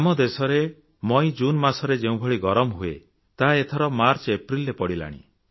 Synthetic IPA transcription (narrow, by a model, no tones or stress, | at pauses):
amɔd̪esɔɾe | mɔj̃d͡ʒunmasɔɾed͡ʒeũbʱɔɭiɡɔɾɔmɔɦuḛ | t̪aɦaet̪ʰɔɾɔmaɾt͡ʃepɾilːepɔɽila̰ɽ̃ḭ